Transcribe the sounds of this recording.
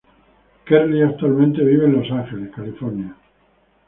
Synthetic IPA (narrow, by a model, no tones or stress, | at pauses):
keɾliak̚t̪ualmẽnt̪e̞β̞iβeːnlo̞saŋxeleskalifoɾnja